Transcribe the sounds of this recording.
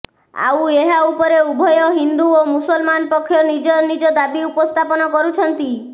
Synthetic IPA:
a̰weɦaupɔɾeubʱɔjɔɦind̪uomusɔlmanɔpɔkʰːjɔnid͡ʒɔnid͡ʒɔd̪abiupɔst̪ʰapɔnɔkɔɾut͡ʃʰɔnt̪i

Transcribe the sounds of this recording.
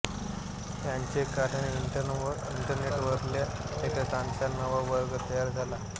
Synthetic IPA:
t̪jaɲt͡ɕekaɾəɳiiɳʈəɾneʈʋəɾlja | t̪ekakãnt͡sanəʋaʋəɾɡət̪əjaɾd͡zʱala

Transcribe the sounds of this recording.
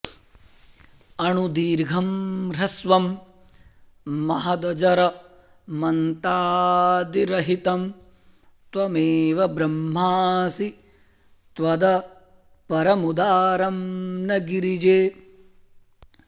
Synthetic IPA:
ɐɳud̪iːɾɡʱɐmɾɐsʋɐm | ɐɦɐd̪ɐd͡ʒɐɾɐ | mɐnt̪aːd̪iɾɐɦit̪ɐm | t̪ʋɐmeːʋɐbɾɐmːaːsi | t̪ʋɐd̪ɐ | pɐɾɐmud̪aːɾɐmnɐɡiɾid͡ʒeː

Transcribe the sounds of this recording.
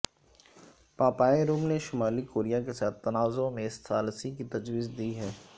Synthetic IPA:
paːpaːeɾuːmneʃʊmaːlikoːɾijakesaːt̪ʰːɐnaːzõmẽɪst̪ʰaːlsikit̪ɐd͡ʒwiːzd̪iːɦɛː

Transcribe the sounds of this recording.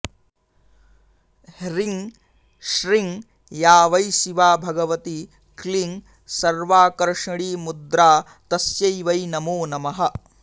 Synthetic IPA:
hɾiŋ | ʃɾiŋ | jaːʋɐjʃiʋaːbʱɐɡɐʋɐt̪i | kliŋ | sɐɾʋaːkɐɾʂɐɽiːmud̪ɾaː | t̪ɐsjɐjʋɐjnɐmoːnɐmɐɦɐ

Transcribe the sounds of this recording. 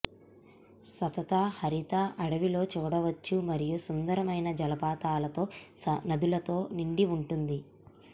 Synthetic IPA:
sɐt̪ɐt̪aːhɐɾit̪aːʔɐɽɐʋilo̞ːt͡ʃuːɽɐʋɐt͡ʃːumɐɾijusund̪ɐɾɐmɐjnɐd͡ʒɐlɐpaːt̪aːlɐt̪o̞ːnɐd̪ulɐt̪o̞ːniɳɖiuɳʈund̪i

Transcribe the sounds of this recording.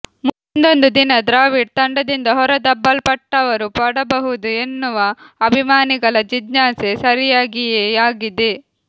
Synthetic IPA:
mu | nd̪o̞nd̪ud̪inɐd̪ɾaːʋiɖ̚t̪ɐɳɖɐd̪ind̪ɐɦɔɾɐd̪ɐbːɐlpɐʈːɐʋɐɾupɐɽɐbɐɦud̪ue̞nːuʋɐːbʱimaːniɡɐɭɐd͡ʒid͡ʒnaːsesɐɾijaːɡijeːjaːɡid̪e

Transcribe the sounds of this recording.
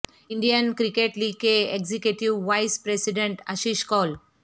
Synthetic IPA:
iɳɖijankɾikeʈliɡkeeɡzikjuʈiwʋajspɾesiɖeɳʈa̰ʃiʃkɔl

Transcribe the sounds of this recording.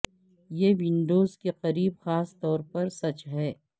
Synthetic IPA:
jeːʋɪ̃ɳɖoːzkeqɐɾiːbxaːst̪ɔːɾpɐɾsɐt͡ʃɦɛː

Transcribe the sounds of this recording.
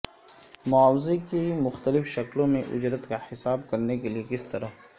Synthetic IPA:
mʊaːwzekemʊxt̪əlɪfʃɐklõmẽʔʊ̰d͡ʒɾət̪kahɪsaːbkɐɾnekeliekɪst̪ɐɾa

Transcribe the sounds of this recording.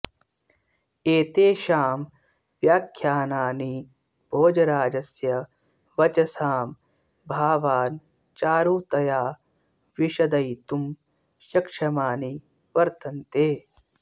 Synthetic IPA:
eːt̪eːʃaːm | ʋjaːkʰjaːnaːni | bʱoːd͡ʒɐɾaːd͡ʒɐsjɐ | ʋɐt͡ʃɐsaːm | bʱaːʋaːn | t͡ʃaːɾuːt̪ɐjaː | ʋiʃɐd̪ɐjt̪um | ʃɐkʂɐmaːni | ʋɐɾt̪ɐnt̪eː

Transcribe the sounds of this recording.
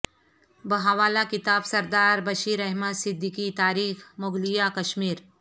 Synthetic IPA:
bɐɦaʋaːlakɪt̪aːbsɐɾd̪aːɾbɐʃiːɾɐɦməd̪sɪd̪ʱːɪkit̪aːɾiːxmʊɡlijakɐʃmiːɾ

